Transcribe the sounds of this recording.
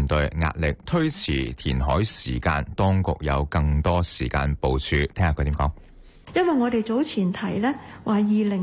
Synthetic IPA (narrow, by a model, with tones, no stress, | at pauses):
nt̪ɵ˨ɥŋa̰ː˧t̚lɪ˨k̚t̪ʰɵ˥ɥt͡sʰiː˨˩t̪ʰiː˨˩nɦɔː˨˥jsiː˨˩ka̰ː˧nt̪ɔː˥ŋkʊ̰˨k̚jɐ̰˨˧wkɐ˧ŋt̪ɔː˥siː˨˩ka̰ː˧npo˨˧wt͡ʃʰyː˧t̪ʰɛː˥ŋaː˧kʰɵ˧t̪iː˨˥mkɔː˨˥ŋ | jɐ˥nwɐ˨jŋɔː˨˧t̪e˨jt͡so˨˥wt͡sʰiː˨˩nt̪ʰɐ˨˩jlɛː˥waː˨jiː˨lɪ˨˩